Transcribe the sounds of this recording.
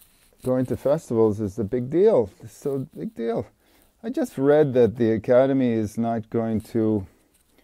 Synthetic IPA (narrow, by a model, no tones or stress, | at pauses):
ɡ̥oʊɪ̃ŋtɨfɛstəvl̩ˠzɨzðɨbɪɡ̚dilˠðɪsoʊbɪɡ̚dilˠ | aɪd͡ʒʌst̚ɹɛd̪̚ðɨt̪̚ðiɨkʰæɾɨmiɪznət̚ɡ̥oʊɪ̃ŋtʰə